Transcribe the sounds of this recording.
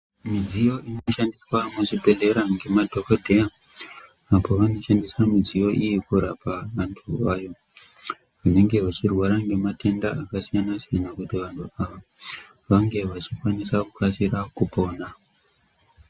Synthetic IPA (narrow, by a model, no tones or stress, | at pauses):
mid͡zijo̞ʔino̞ʃandiswamuʐibʱe̞ɮe̞ɾaŋɡe̞madʱo̞kodʱeja | apo̞ʋano̞ʃandiswamid͡zijo̞ʔijikuɾapaʋantʰuʋaːjo̞ | ʋane̞ŋɡe̞ʋat͡ʃirwaɾaŋɡe̞mate̞ndaakasijanasijanakutiʋantʰuaʋa | ʋaŋɡe̞ʋat͡ʃikwanisakukasiɾakupo̞ːna